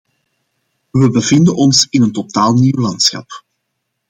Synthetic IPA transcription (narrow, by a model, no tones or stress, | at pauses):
ʋəbəvɪndənʔɔnsɪnəntotaːlˠniwlɑnt̪sxɑ̰p